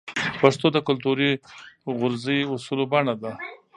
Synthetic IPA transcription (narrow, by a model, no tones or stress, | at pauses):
paʂt̪od̪əkʊlt̪uɾiɣʊɾziʊsulobaɳad̪a